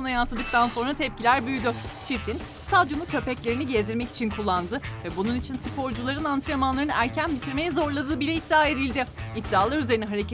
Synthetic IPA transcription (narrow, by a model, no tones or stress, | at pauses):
najat̪ʰɯd̪ɯk̚t̪ʰanso̞nɾat̪ʰɛp̚cilʲæɾbyjyd̪ʏt͡ʃʰit̪ʰin | st̪ʰad̪jonucʰø̞pɛclʲe̞ɾiniɟezd̪iɾmɛci̥t͡ʃʰinkʰulˠːand̪ɯvɛbununit͡ʃʰinsipʰo̞ɾd͡ʒulˠaɾɯnant̪ʰɾemanlˠaɾɯnæɾcʰænbit̪ʰiɾme̞jɛzo̞ɾlˠad̪ɯːbilʲɛid̪ːiaːe̞d̪ilʲd̪ɪid̪ːiaːlˠaɾyze̞ɾinɛɦaɾec